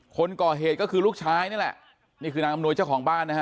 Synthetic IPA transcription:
kʰo˧nkɔː˨˩ɦeː˨˩t̪̚kɔː˥˩kʰɯː˧luː˥˩k̚t͡ɕʰaː˦˥jna˥˩˨lɛ˨˩ʔ | niː˥˩kʰɯː˧naː˦˧˥ʔa˧mnu˧əjt͡ɕa˥˩wkʰɔː˩˦ŋbaː˥˩nː˦kʰa˦˥

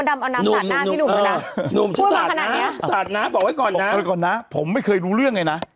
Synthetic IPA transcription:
da˧mʔa˧na˧nu˨˧˩mn˧˦˩nuː˨˩˧nu˨˩mt͡ɕʰi˧˥˩saː˧˨˩kʰna˨na˦˥˧saː˨˩t̪̚naː˦˥mbɔː˨˩k̚ha˥˩kɔː˨˩nː˩aː˦˧kɔː˨˩nːa˦˥pʰo˩˦mːa˥˩jkʰɤː˧jɾuː˧ɾɯ˥˩əŋːa˧jna˦˥ʔ

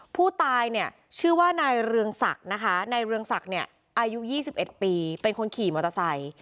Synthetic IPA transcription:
pʰuː˥˩t̪aː˧jni˥˩ə | t͡ɕʰɯː˥˩waː˥˩na˧jɾɯ˧əŋsa̰˨˩k̚na˦˥kʰa˦˥na˧jɾɯ˧əŋsa˨˩k̚ni˥˩ɐ | ʔaː˧ju˦˥jiː˥˩si˨˩p̚ʔe˨˩t̪̚piː˧pe˧nkʰo˧nkʰiː˨˩mo˨˧˩t̪a˧sa˨˩j

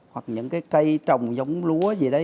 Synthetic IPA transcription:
hwa˨˩k̚ɲɨ̰˧˥ŋkaː˨˦jkə˧jt͡ɕə˨˩wŋ͡mzə˨˦wŋ͡mlu˨˦əzi˨˩ɗə˨˦

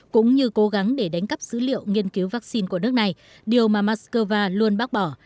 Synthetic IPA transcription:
kʊ̰˧˥ŋ͡mɲɨ˧ko˨˦ɣa˨˦ŋɗe˧˩ɗa˨˦ŋ̟kə˦˥p̚z̥ɨ̰˧˥lḭ˧˨əwŋi˧ənki˨˦wvaː˦˥k̚si˧nku˧˩ən˦˥ək̚na˨˩j | ɗi˨˩əwmaː˨˩maː˦˥tskəː˧vaː˧lu˧ənɓaː˦˥k̚ɓɔ˧˩

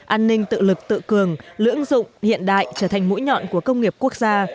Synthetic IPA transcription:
ʔaː˧nːï˧ŋt̪ɨ̰˧˨lɨ˨˩k̚t̪ɨ̰˧˨kɨ˨˩əŋlɨ̰˧˥əŋzʊ̰˧˨ŋ͡mhḭ˧˨ənɗa̰ː˧˨jt͡ɕəː˧˩t̪ʰa˨˩ŋmṵ˧˥jɲɔ̰˧˨nku˧˩əkə˧wŋ͡mŋi˨˩əp̚ku˦˥ək̚zaː˧

